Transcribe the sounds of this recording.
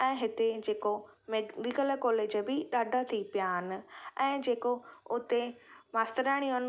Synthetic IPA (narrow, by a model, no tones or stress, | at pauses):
ɛ̃ːɦɪt̪ed͡ʑeːkomenɪkəlkɔːleːd͡ʑəbɪɗaːɖʱat̪ʰipijaɦɪnɪ̆ɛ̃ːd͡ʑeːkoʊt̪emaːst̪əɾaːɪɽ̃iɦən